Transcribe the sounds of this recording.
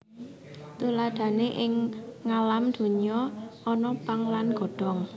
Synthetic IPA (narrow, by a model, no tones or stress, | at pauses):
t̪ulad̪̥a̤neʔɪŋːalamd̪̥o̤ɲɔɔnɔpaŋlanɡ̥ɔ̤ɖ̥ɔ̤ŋ